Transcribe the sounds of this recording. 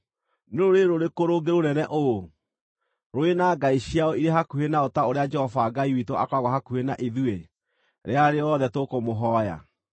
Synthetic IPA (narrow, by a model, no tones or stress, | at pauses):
neɾoɾeɾoɾekoɾoɡeɾonɛnɛʔo | ɾoenaːɡaiɕiaɔiɾeɦakuhenaotaoɾead͡ʒɛhɔvaːɡaiwitoakwaɣɔɦakuenaʔeðue | ɾeaɾeɔðɛtokomoɦɔːja̰